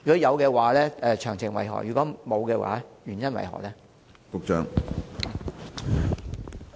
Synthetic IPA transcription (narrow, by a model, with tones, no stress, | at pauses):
y˨kɔː˨˥jɐ˨˧wkɛː˧waː˨˦lɛː˥ɛː˨˧t͡ʃʰœː˨˩ŋt͡sʰɪ˨˩ŋwɐ˨˩jɦɔ̰ː˨˩jyː˨kɔː˨˥mo˨˧wkɛː˧wa̰ː˨˥jyː˨˩njɐ˥nwɐ̰˨˩jɦɔ̰ː˨˩klɛː˦˥ | kʊ˨k̚t͡ʃœː˨˧ŋ